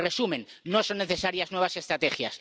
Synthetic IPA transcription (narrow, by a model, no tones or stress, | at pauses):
re̞sumẽ̞nːo̞so̞nːe̞θe̞saɾjaznwe̞β̞ase̞st̪ɾat̪e̞xja̰s